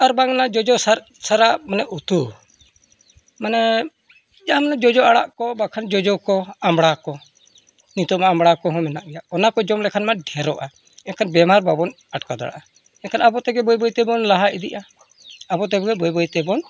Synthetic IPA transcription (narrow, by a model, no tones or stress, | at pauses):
aɾbaŋnad͡ʒɔd͡ʒɔsaɾ | saɾaʔmanɛʔut̪u | manɛ | d͡ʒamnad͡ʒɔd͡ʒɔaɽa̰ʔkɔbakʰand͡ʒɔd͡ʒɔkɔamɽakɔ | nit̪ɔʔmaamɽakɔɦɔ̃mɛnaʔɡɛjaɔnakɔd͡ʒɔmlɛkʰanmaɖʱɛɾɔʔa | ɛnkʰanbɛmaɾbabɔn | aʈkad̪a̰ɽa̰ʔa | ɛnkʰanabɔt̪ɛɡɛbɔjbɔjt̪ɛbɔnlaɦaʔid̪iʔa | bɔt̪ɛɡɛbɔjbɔjt̪ɛbɔn